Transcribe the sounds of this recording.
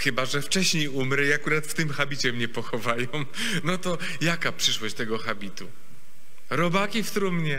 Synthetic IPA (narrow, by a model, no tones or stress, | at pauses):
xɘbaʐɛft͡ʂɛɕɲejumɾɛiakuɾat̪ft̪ɘmxabʲit͡ɕɛmɲɛpɔxɔvajɔ̃w̃ | nɔt̪ɔ | jakapʂɘʂwɔɕt͡ɕt̪ɛɡɔxabʲit̪u | ɾɔbakʲift̪ɾumɲɛ